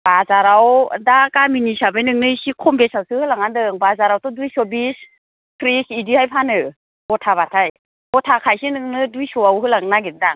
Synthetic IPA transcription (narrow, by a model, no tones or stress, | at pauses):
b̥azaɾawdakaminisabejnɯŋnɯsikʰɔmbesawsɯhɯlaŋandɯŋbazaɾawtɔdujsɔbis | pʰɾisidihajpʰanɯ | bɔtʰaβatʰaj | bɔtʰakʰajsinɯŋnɯdujsɔawɦɯlaŋnaɡindaŋ